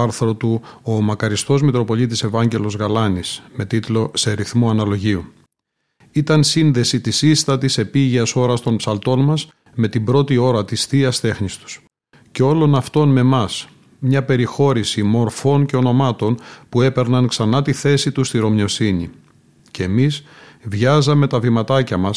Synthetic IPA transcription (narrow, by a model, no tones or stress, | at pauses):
ɐɾθɾo̞t̪uomɐkɐɾist̪o̞zmit̪ɾo̞po̞lit̪ise̞vɐɲɟe̞lo̞zɣɐlɐnisme̞t̪it̪lo̞seɾiθmuɐnɐlo̞ʝiu | it̪ɐnsinðe̞sit̪isist̪ɐt̪ise̞piʝiɐso̞ɾɐst̪o̞npsɐlt̪o̞nmɐs | me̞t̪ibɾo̞t̪io̞ɾɐt̪isθiɐst̪e̞xnist̪u̥s | ceo̞lo̞nɐft̪o̞nme̞mɐs | mɲɐpe̞ɾixo̞ɾisimo̞ɾfo̞nce̞o̞no̞mɐt̪o̞npue̞pe̞ɾnɐnksɐnɐt̪iθe̞sit̪ust̪iɾo̞mɲo̞sinḭ | ceːmisvʝɐzɐme̞t̪ɐvimɐt̪ɐcɐmɐs